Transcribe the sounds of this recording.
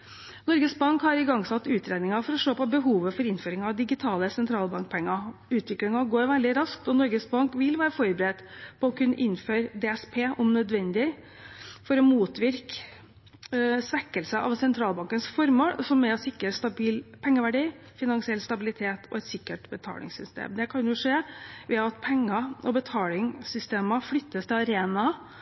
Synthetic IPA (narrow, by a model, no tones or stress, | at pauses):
nɔɾɡəsbɑŋkhɑɾɪɡɑŋsɑt̪ːʉːt̪ʰɾeːd̪nɪŋɑfɔɾɔʂoːpɔbəɦuːʋəfɔɾɪnføːɾɪŋɑʋd̪ɪɡɪt̪ʰɑːləsɛnt̪ʰɾɑːlbɑŋk̚pʰɛŋːɑʉːt̪ʋɪklɪŋɑɡoːɾʋɛld̪ɪɾɑsk̚t̪ɔnɔɾɡəsbɑŋkʋɪlʋæːɾəfɔɾbəɾɛt̪pʰɔɔkʰʉnːəʔɪnːføːɾd̪ɛːɛspʰeːʔɔmnœd̪ʋɛnd̪ɪ | fɔɾɔmuːt̪ʋɪɾk | sʋɛkːəlsəʔɑ̰ʋsɛnt̪ʰɾɑːlbɑŋkənsfɔɾmɔsɔmːɛɔsɪkːɾəst̪ɑbiːlpʰɛŋːəʋæɖiː | fɪnɑnsɪɛlst̪ɑbɪlɪt̪ʰeːt̪ʰɔ̰ɛt̪sɪkːəʈbət̪ʰɑ̰ːlɪ̰ŋsʏst̪ḛːmd̪ɛkʰɑnjʊʂeːʋɛɑt̪pʰɛŋːɑʔɔbət̪ʰɑːlɪŋsʏst̪eːməflʏt̪ːəst̪ʰɪlɑɾeːnɑ